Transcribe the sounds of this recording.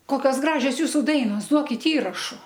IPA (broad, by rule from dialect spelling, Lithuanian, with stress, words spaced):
ˈkoːkʲoːs ˈɡrɑːʒʲoːs ˈjuːsʊ ˈdɐɪnoːs ˈduɔkʲɪt ˈiːrɐʃʊ